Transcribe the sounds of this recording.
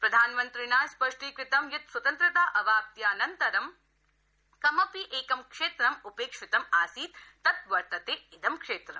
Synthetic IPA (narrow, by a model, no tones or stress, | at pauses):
pɾɐd̪ʱaːnmɐnt̪ɾinaːjspɐʂʈikɾɪt̪ɐmjut̪swɐt̪ɐnt̪ɾɐt̪aːʔɐʋaːp̚t̪jaːnɐnt̪ɐɾɐm | kɐmɐpiʔeːkɐmkʂeːt̪ɾɐmupeːkʂit̪ɐmaːsiːt̪ːɐt̪ʋɐɾt̪ɐt̪eːid̪ʱɐmkʂeːt̪ɾɐ̰m